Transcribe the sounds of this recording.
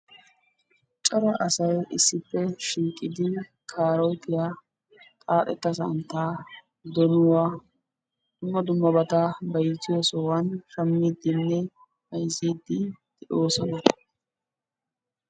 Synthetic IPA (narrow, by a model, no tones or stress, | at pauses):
t͡ʃʼɔɾɐʔɐsɐjʔɪsːɪpːɛʃiːkʼːɪd̪ɪ | kʰaːɾɔjt̪ɪja | t̪ʼaːt̪ɛt̪ːɐsɐ̰nt̪ːaː | d̪ɔnʊwa | d̪̥ʊmːɐd̪ʊmːɐbɐt̪ɐbɐjt͡sːɪjɔsɔwɐnʃɐmːiːd̪ːɪnːɛ | hɐjziːd̪ːɪd̪̥ɛʔoːsɔnɐ